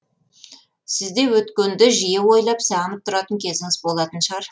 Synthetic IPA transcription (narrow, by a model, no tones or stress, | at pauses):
sɪzd̪e̞wɵt̪kʲe̞nd̪ɪʒije̞wo̞jlˠɑpsɑʁənəp̚t̪ʰʊɾɑt̪əŋkʲʰe̞zɪŋɪzbolˠɑt̪ənʃʁɑɾ